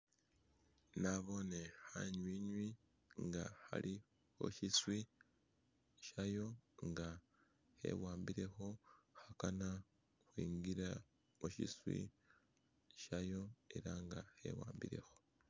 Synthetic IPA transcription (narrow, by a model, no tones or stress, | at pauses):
naβo̞ne̞haɲwiɲwi | ŋɡaha̰ɾʔi | ho̞̰ʃiswi | ʃajo̞ŋɡa | he̞̰waːmbiɾe̞xo̞hakana | xwiːŋɡiɾa | oʃḭswḭ | ʃajo̞e̞ɾaŋɡahe̞̰waːmbiɾe̞̰ho̞